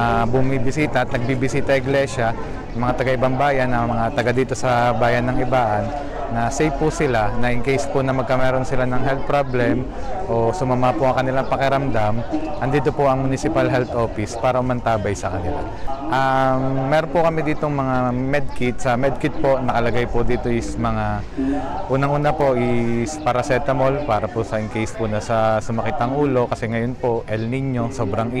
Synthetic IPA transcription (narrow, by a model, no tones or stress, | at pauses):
bʊmibɪsiːt̪ɐʔɐt̪̚nɐɡ̚bibɪsiːt̪ɐʔɪɡlɛʃɐ | ɐŋmɐŋat̪ɐɡaʔɪbaŋbaːjɐnɐmɐŋat̪ɐɡad̪iːt̪o̞sɐbaːjɐnːɐŋʔɪbaːʔɐnː | ɐsejfpʊsɪlanɐʔɪŋkejsponɐmɐɡ̚kɐmɛːɾo̞nsɪlanɐŋɦɛlt̪̚pɾoblɛm | ʔo̞sʊmamapʊʔɐŋkɐnɪlaŋpɐkɪɾɐmd̪amʔɐnd̪iːt̪o̞poʔɐŋmʊnɪsɪpalɦɛlt̪ʔo̞ːfɪspaːɾɐʊmɐnt̪aːbɐjsɐkɐnɪla̰ | ʔɐmːɛːɾonpokɐmid̪iːt̪o̞ŋmɐŋamɛd̪̚kɪt̪̚sɐmɛd̪̚kɪt̪̚po̞nɐkɐlɐɡajpod̪iːt̪o̞ʔɪsmɐŋa | ʔuːnɐŋʔuːnapo̞ʔɪspaɾɐsɛt̪ɐmolpaːɾɐposɐʔɪŋkejspʊnɐsɐsʊmɐkiːt̪ɐŋʔuːlo̞kɐsɛŋɐjo̞npo̞ʔʔɛlnɪɲːo̞soːbɾɐŋʔ